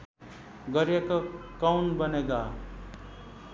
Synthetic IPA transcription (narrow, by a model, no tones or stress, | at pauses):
ɡʌɾjekʌkawnbʌneɡa